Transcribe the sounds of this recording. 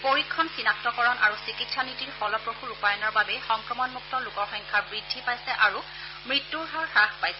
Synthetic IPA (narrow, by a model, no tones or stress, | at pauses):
poɹikʰːɔnsinak̚tɔkɔɹɔnʔaɹusikitsʰanitiɹfɔlɔpɹoxuɹupajɔnɔɹbabɛxɔŋkɹɔmɔnmuk̚tɔlukɔɹxɔŋkʰaɹbɹidʱːipajsɛʔaɹu | mɹitːuɹɦaɹxaxpajsɛ